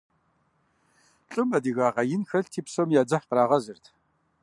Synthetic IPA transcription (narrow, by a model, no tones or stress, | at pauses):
ɬʼɨmɐdiɣaːʁɐjɪnxɐɬtʰiːpsomjaːd͡zɐħqəɾaːʁɐzɨrtʰ